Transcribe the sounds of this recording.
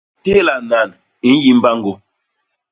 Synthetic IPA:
te˦la˨na˨n | i˨n˦ji˦m˦ba˦ŋ˦ɡo˦

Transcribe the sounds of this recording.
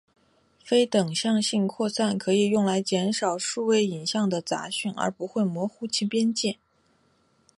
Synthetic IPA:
fe˥ɪt̪ɤ˨˩ŋɕjɑ˥˧ŋɕi˥˧ŋkʰwɔ˥˧sa˥˩nkʰɤ˧˥i˨˩jʊ˥˩ŋla˧˥ɪt͡ɕjɛ˧˥nʂɑ˨˩ʊʂu˥˧we˥˩ɪi˨˩nɕjɑ˥˩ŋd̪ə˩t͡sa̰˧˥ɕy˥˩nə̰˞˧˥pu˧˥xwe˥˩ɪmwɔ˧˥xu˥t͡ɕʰi˥pjɛ˥nt͡ɕjɛ˥˩n

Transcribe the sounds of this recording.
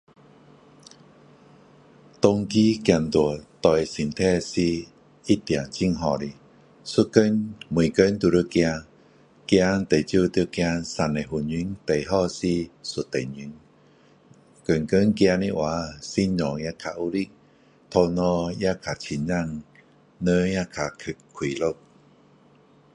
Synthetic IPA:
t̪ɔ˧ŋki˦kja˧˩nt̪u˨˩ət̪ɔ˧˩jsi˨˩nt̪ʰɛ˥˧si˧ | i˦t̪ja˨˩t͡ɕi˧˨ŋɦɔ˨˧˨li˨ | su˦kə˦nmwu˨˩kə˦nt̪u˧˩ɾi˧˦kjã˧ | kja˧t̪e˨˩t͡ɕju˥˧t̪jkja˧sa˨ne˨˩ɦu˨˩nɲi˧˦ŋt̪e˨jɦɔ˧si˧su˨˧˩t̪ːe˨ɲi˨˧˦ŋ | kə˨˩ŋkə˦ŋkja˧ni˧ʔwa˨˦si˧ɲɔ̃˨ŋja˧˥kʰa˨˧ʔu˧li˧k̚ | t̪ʰo˧nɔ˧ja˦˧kʰa˨t͡ɕʰi˧˨ɲa˧˨ŋ | nə̃˧˦ja˦˧kʰa˨kʰɨ˨˩kʰwi˨lo˦˧˨k̚

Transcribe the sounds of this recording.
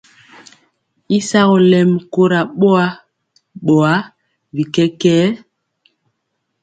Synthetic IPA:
i˦sa˦ɣɔ˨lɛ˨mko˦ɾa˨ɓo˦a˦ | ɓɔ˨a˦ | vi˨kɛ˦kɛː˦

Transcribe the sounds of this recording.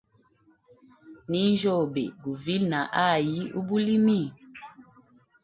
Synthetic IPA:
ni˦n˦d͡ʒo˦˨bḛ˨ɡu˨vi˦lna˨ʔa˦˨ji˦ṵ˦bu˦li˦mi˦˨

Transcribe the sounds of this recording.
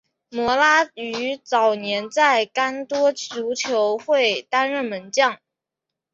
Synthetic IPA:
mwɔ˧˥la˥y˧˥t͡sɑ˨˩ʊnjɛ˧˥nt͡sa˥˩ɪka˥nt̪wɔ˥t͡ɕʰju˧˥ʊt͡ɕʰjo˧˥ʊxwe˥˩ɪt̪a˥nɻə˥˩nmə˧˥nt͡ɕjɑ˥˩ŋ

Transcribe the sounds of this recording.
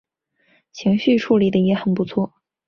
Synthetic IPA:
t͡ɕʰi˧˥ŋɕy˥˧ʈ͡ʂʰu˥˩li˨˩d̪ə˧jɛ˧˥xə˨˩npu˧˥t͡sʰwɔ˥˩

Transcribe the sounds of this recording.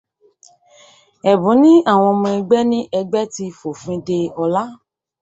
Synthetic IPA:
ɛ˨bũ˨˦nĩ˦a˦˨w̃ɔ̃˧mɔ̃˧ɛ˧ɡ͡bɛ˦nĩ˦ʔɛ˧ɡ͡bɛ˦ti˧fo˨fĩ˨˦de˧ɔ˧la˦

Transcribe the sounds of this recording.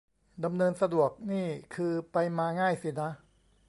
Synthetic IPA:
da˧mnɤː˧nsa˧du˨˩ək̚niː˥˩kʰɯː˧pa˧jmaː˧ŋaː˥˩jsi˨˩na˦˥ʔ

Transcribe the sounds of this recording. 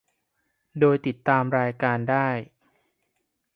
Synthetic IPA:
doː˧jt̪i˨˩t̪ːaː˧mɾaː˧jkaː˧ndaː˥˩j

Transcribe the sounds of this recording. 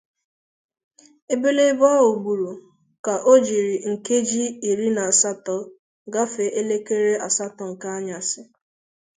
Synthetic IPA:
e˦be˦le˦bɔ˦o˨ɡ͡bu˨ɾu˨ | ka˨ʔo˦d͡ʒi˨ɾi˨ŋ̩˨ke˦d͡ʒi˦i˨ɾi˦na˨sa˦tɔ˦ | ɡa˦fe˨ʔe˦le˦ke˦ɾe˦a˨sa˦tɔ˨ŋ̩˨ka˦a˦ɲa˨sɪ˦

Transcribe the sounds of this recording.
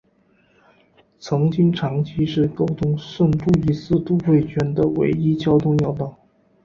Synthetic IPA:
t͡sʰɤ˧˥ŋt͡ɕi˥ŋʈ͡ʂʰɑ˧˥ŋt͡ɕʰi˥ʂɻ̩˥˩ko˥ʊt̪ʰʊ˥ŋʂwə˥˧nʈ͡ʂu˥˩i˧˥sɹ̩˥˧t̪u˥˧xwe˥˩ɪt͡ɕʰɥɛ˧˥nd̪ə˧wḛ˧˥ɪi˥t͡ɕjɑ˥ʊt̪ʰʊ˥˧ŋjɑ˥˧ʊt̪ɑ˥˩ʊ

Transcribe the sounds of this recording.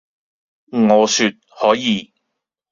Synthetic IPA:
ŋɔː˨˧syː˨˧t̚hɔː˨˥jiː˨˧

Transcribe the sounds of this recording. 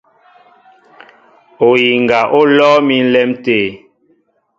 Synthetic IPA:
o˨ji˨ŋɡa˨ʔo˦lɔː˦mi˦n̩˦lɛ˦mteː˨

